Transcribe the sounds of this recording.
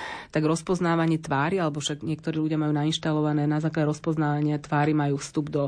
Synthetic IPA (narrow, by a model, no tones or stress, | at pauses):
t̪aɡɾɔspɔznaːʋaɲɪɛt̪ʋaːɾialɛbɔfʃaɡɲɪɛkt̪ɔɾiːluɟɪamajuːnainʃt̪alɔʋanɛːnazaːklaɟɛɾɔspɔznaːʋaɲɪat̪ʋaːɾimajuːfst̪ubd̪ɔ